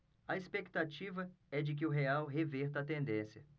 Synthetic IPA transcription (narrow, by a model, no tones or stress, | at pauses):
ɐespekt̪at͡ʃivɐɛd͡ʒɪk̬ɪʊɦeawɦevɛɾt̪ɐːt̪ẽnd̪ẽsjɐ